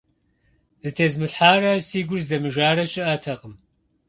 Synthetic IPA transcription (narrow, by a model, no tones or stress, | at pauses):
zɨtʰeːzmɨɬħaːrɐsiːɡʷʊrzdɐmɨʒaːrɐt͡ʃʼɪʔatʰɐqəm